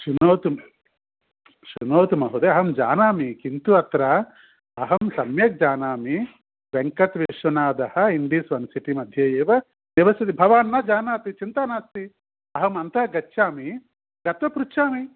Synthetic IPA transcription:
ʃunoːt̪u | ʃunoːt̪umɐɦud̪eɐɦɐmd͡ʒa̰ːnaːmikint̪uɐt̪ɾɐ | ɐɦɐmsɐmjɐk̚d͡ʒaːnaːmi | ʋeŋkɐt̪ʋiʂɐnaːd̪ɐhɐiɳɖisʋɐnsiʈimɐd̪ʱjɐjeːʋɐ | niʋɐsid̪ibʱɐʋaːnːɐd͡ʒaːnaːt̪it͡ʃint̪aːnaːst̪i | ɐɦɐmɐnt̪ɐɐɡɐtːʃaːmi | ɡɐt̪ʋɐpɾutːt͡ʃʰaːmi

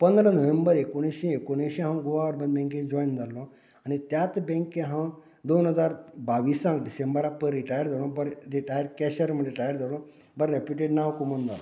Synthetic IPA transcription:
pənd̪ɾənəʋembəɾekoɽ̃ĩɕẽekoɽ̃ẽɕẽɦãwɡoʋaəɾbənbɛ̃ŋkẽd͡ʑɔjnd͡z̪alɔ̃ | añit̪jat̪bɛ̃ŋkẽɦã | d̪onɦəd͡zaɾbaʋiːsãŋkɖisembəɾapəɾːiʈajəɾd͡zalɔ̃bəɾɾiʈajəɾkɛɕəɾməiʈajəɾd͡zalɔ̃ | bəɾːepiʈeɖnaʋkumond͡z̪alɔ

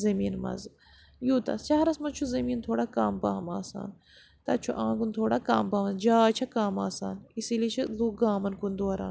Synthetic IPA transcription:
zɐmiːnmɐ̰z | juːt̪ɐ̰st͡ʃaːɾɐsmɐt͡ʃʰuzɐmiːnt̪ʰoːɽaːkaːmpɐɦɐma̰ːsa̰ːn | t̪ɐt͡ʃʰuʔãːkunt̪ʰoːɽakaːmpɐɦmɐzd͡ʒaːt͡ʃʰɐkaːmaːsa̰ːnisilit͡ʃʰizuːɡaːmɐnkund̪oːɾa̰ːn

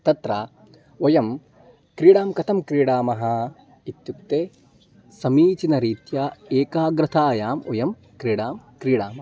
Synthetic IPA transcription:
t̪ɐt̪ɾa | ojɐm | kɾiːɽaːmkɐt̪ʰɐmkɾiːɽaːmɐɦɐ | it̪juk̚t̪eː | sɐmiːt͡ʃinɐɾiːt̪jaeːkaːɡɾɐt̪ʰaːjaːmojɐm | kɾiːɽaːmkɾiːɽaːmɐ

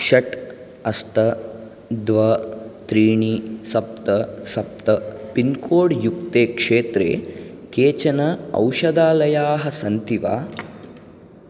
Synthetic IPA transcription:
ʃɐʈ | ɐst̪ɐ | d̪ʋɐt̪ɾiːɳisɐp̚t̪ɐsɐp̚t̪ɐpinkoːɽjuk̚t̪eːkʂeːt̪ɾḛːkeːt͡ʃɐnɐɐ̰wʃɐd̪aːlɐjaːɦɐsɐnt̪iʋa̰ː

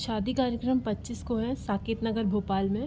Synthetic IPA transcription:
ʃaːd̪ikaːɾjəkɾəmpɐtːt͡ʃɪskoɦɛsaːkeːt̪nɐɡəɾbʱoːpaːlmẽ

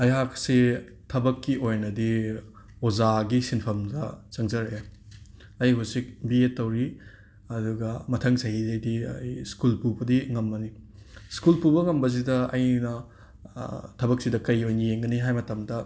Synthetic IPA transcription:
ɐjɦaksi | tʰɐbɐkːiʔojnɐdi | ozaɡisinpʰɐmdɐt͡ʃɐŋzɐɾɐje | ɐjɦusik̚bietːɐwɾi | ɐduɡɐmɐtʰɐŋsɐɦizɐjdiɐ̰jskulpubɐdiŋɐmbɐniskulpubɐŋɐmbɐs̬idɐɐjnɐ | tʰɐbɐk̚sidɐkɐjojnɐjeŋɡɐniɦajmɐtɐmdɐ

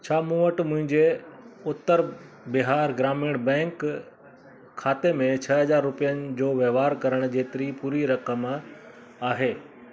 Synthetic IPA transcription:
t͡ɕʰaːmũːʋəʈmʊ̃ɦɪ̃ɲd͡ʑeʊt̪ːəɾ | bɪɦaːɾɡɾaːmɪɽ̃bɛ̃ːŋk | kʰːaːt̪emẽt͡ɕʰɐɦɐzaːɾːʊpijənɪ̆d͡ʑoːʋjɐʋaːɾkɐɾəɽ̃ʊ̆d͡ʑeːt̪ɪɾipuːɾiɾɐkəm | aːɦeː

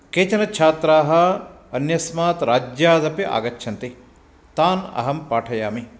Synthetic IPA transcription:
keːt͡ʃɐnɐt͡ʃʰaːt̪ɾaːɦɐ̆ | ɐnjɐsmaːt̪ɾaːd͡ʒjaːd̪ɐpiʔa̰ːɡɐt͡ʃːʃʰɐnt̪i | t̪aːnɐ̰ɦɐmpaːʈʰɐjaːmi

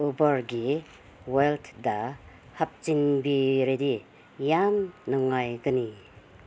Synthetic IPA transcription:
ubɐɾɡi | weltʰda | hap̚t͡ʃinbiɾedi | jamnɔŋajkɯni

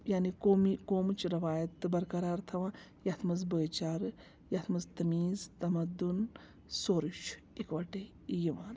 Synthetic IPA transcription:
jaːnikomikoːmt͡ʃɾɐʋaːjɐt̪ɨbɐɾkɐɾaːɾt̪ʰɐʋãːjat̪ʰmɐzbəːjt͡ʃaːɾ | jat̪ʰmɐzt̪ɐmiːzt̪ɐmɐd̪un | soːɾuʃ | ikʋɐʈe | jiʋaːn

